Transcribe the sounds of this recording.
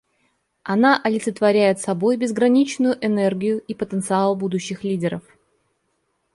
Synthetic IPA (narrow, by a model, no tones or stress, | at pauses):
ɐnaʔɐlʲɪt̪sɨt̪vɐɾʲæjɪt̪sɐbo̞jbʲɪzɡɾɐnʲit͡ɕnʊjʊʔɛnɛrɡʲɪjʊipət̪ənt̪sɨalˠbud̪ʊɕːɪxlʲidʲɪɾəf